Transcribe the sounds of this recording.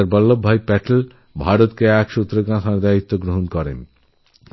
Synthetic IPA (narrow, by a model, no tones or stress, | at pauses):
aɾbɔlːobʱːajpɛʈel | bʱaɾot̪keɛkʃut̪ːɾoɡãk̪ʰaɾd̪ait̪ːoɡɾoɦonkɔɾḛn